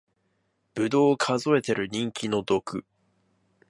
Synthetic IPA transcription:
b̥ɯ̟d̪o̞ːkʰazo̞e̞t̪e̞ɾɯ̟ɲ̟ĩŋkʲino̞d̪o̞kɯ̟

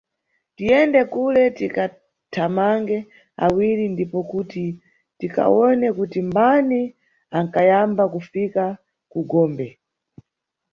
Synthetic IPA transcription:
tijɛndɛkulɛtika | tʰamaŋɡɛ | a̰wiɾindipɔkuti | tika̰ɔnɛkutimbani | aŋkajambakufika | kuɡɔːmbɛ

